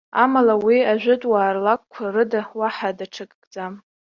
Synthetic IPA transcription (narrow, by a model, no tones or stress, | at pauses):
amalawiaʒʷᶣʊtʼwaːrlak̚ʷkʷʰarɨdawaħadaʈ͡ʂʰɨkʼːd͡zam